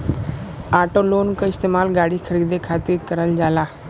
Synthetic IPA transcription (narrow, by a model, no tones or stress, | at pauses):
aʈolonkəist̪emalɡaɽiːkʰəɾiːd̪ekʰat̪iːɾkəɾəld͡zala